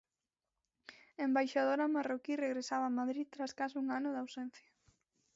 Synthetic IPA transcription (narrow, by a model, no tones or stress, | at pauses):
embajʃað̞oɾamarokireɣɾesaβamaðɾit̪ɾaskasuŋanʊðawsɛn̟θja